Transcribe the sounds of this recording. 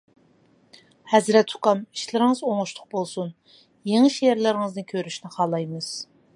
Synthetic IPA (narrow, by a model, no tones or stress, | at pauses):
hɛzɾɛt̪ʰːʊ̥qɑmi̥ʃlɪɾɪŋəzoŋʊʃlʰˠʊq̚bolˠsun | jeŋɪʃjɛɾlɪɾɪŋɨznɨkʲʰøɾyʃnɪχɑːlˠɑjmɨz̥